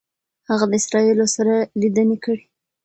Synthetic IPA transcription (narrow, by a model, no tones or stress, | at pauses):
haɣad̪əɪsɾɑilosaɾalid̪ənekəɽi